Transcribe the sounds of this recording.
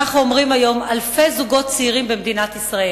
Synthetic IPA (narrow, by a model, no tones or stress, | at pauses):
aχnuomʁimajo̞malfe̞zuɡo̞t̪̚t͡seiʁimbemd̪inat̪isʁae